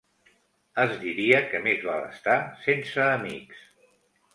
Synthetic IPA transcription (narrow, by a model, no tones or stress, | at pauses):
əzd̪iɾiəkəmezβalə̰st̪asensəːmḭks